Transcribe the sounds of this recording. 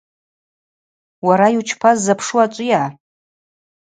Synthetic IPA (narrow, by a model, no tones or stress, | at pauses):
waɾajut͡ʃʰpʰazːapʰʂuat͡ʃʷʼɨjaː